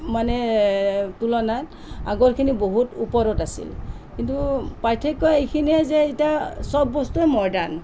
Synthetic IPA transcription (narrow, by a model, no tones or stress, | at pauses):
manɛ | tulɔnat | a̰ɡɔɹkʰiniboɦutupɔɾɔtasḭlkintupajtʰekːɔjejkʰiniɛzɛitiasɔbːɔstujmɔɹdan